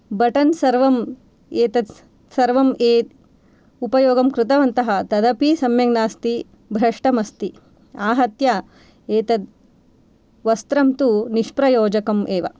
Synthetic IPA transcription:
bɐʈɐnsɐɾʋɐm | eːt̪ɐ | sɐɾʋɐmeːt̪ | upɐjoːɡɐmkɾɪt̪ɐʋɐnt̪ɐɦɐt̪ɐd̪ɐpisɐmjɐŋnaːst̪i | bʱɾɐʂʈɐmɐst̪i | aːɦɐt̪jɐ | eːt̪ɐd̪ | ʋɐst̪ɾɐmt̪uniʂpɾɐjoːd͡ʒɐkɐmʔeːʋɐ̰

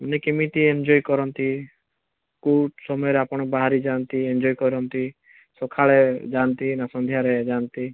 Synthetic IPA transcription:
ɔnekemit̪iend͡ʒɔjkɔɾɔnt̪i | kuʈsɔmɔjɔɾeapɔɽ̃ɔbaɦaɾid͡ʒant̪iend͡ʒɔjkɔɾɔnt̪i | sokʰaɭed͡ʒant̪inasɔnd̪ʱjaɾed͡ʒant̪i

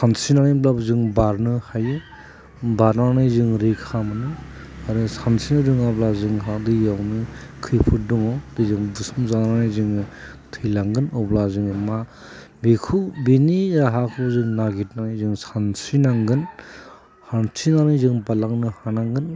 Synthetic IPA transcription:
sansinanɯblabzɯŋbaɾnɯhajɯ | baɾnanɯjzɯŋɾikʰamanɯ | aɾɯsansinɯzɯŋablazɯŋɦadɯjawnɯkʰɯjpʰɯduŋawdɯzɯŋbusumzananajzɯŋ | tʰɯjlaŋɡɯnɔblazɯŋma | bikʰubiniaɦakʰɯbzɯŋnaɡit̚nanɯjzɯŋsansinaŋɡɯn | hantʰinanɯjzɯŋbalaŋnɯhanaŋɡɯn

